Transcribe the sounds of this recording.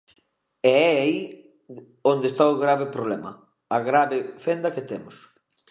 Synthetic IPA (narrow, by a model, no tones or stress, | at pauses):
ɛɛai | ond̪est̪aʊɣɾaβepɾoβlɛmɐ̰ | aɣɾaβefend̪ɐket̪ɛmʊs